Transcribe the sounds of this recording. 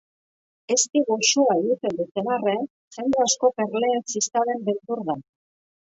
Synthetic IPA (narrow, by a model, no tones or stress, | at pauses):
e̞st̪iɣosoaiɣit̪e̞nd̪ut̪eβare | sand̪easko̞pe̞ɾle̞ːnsist̪aðe̞mbet̪uɾða